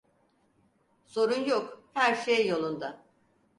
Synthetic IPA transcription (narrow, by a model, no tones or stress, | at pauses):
so̞ɾunjokhæɾʃejːo̞lˠund̪a